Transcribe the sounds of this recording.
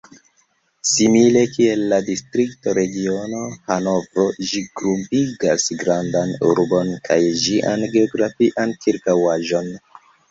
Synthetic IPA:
simile̞kie̞lːadistɾik̚to̞ɾe̞ɡio̞no̞hano̞vɾo̞ʒiɡɾumpiɡasɡɾandanṵɾbo̞nkʰajd͡ʒiʔa̰nɡe̞o̞ɡɾafiʔankiɾkawaʒo̞n

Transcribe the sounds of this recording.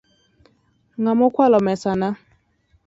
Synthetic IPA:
ŋamʊkʷalɔmɛsana

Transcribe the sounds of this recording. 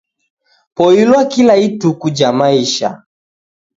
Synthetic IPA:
pɔilwakilaitukud͡ʒamaiʃa̰

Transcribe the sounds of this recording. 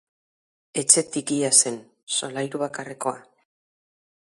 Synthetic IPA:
e̞t͡ʃe̞t̪ikiase̞n | so̞lajɾuβ̞akareko̞a̰

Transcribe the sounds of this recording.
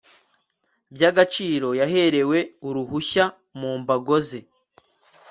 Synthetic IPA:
bjaːɡat͡ʃiːɾo̞jaɦe̞ɾe̞we̞uɾuhuça | muːmbaɡo̞ze

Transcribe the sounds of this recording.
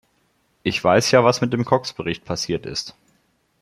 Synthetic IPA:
ʔɪçv̥aɪsjaːvasmɪt̚d̥eːmkʰɔksb̥əʁɪçt̚pʰasiːɐtɪ̰st

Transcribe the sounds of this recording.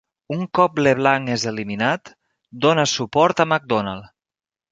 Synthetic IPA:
uŋkɔpleβlaŋezeliminat̪ | d̪onəsupɔɾt̪əmak̚d̪ɔnalˠ

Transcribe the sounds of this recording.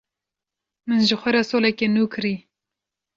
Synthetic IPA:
mɨnʒɪxʷɐɾasoːlɛkenuːkʰɨɾi

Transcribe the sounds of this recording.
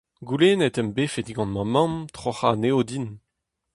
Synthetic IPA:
ɡuleːnɛt̪ɛmbefed̪iɡɑ̃nmɑ̃mɑ̃mt̪χoχaneod̪in

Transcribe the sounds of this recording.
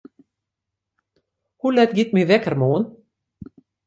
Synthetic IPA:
hulɛt̪ɡit̪̚mivɛkəɾmoːn

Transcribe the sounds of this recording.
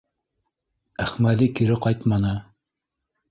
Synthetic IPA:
æχmæðikʰiɾɪqʰɑjt̪mɑnɨ

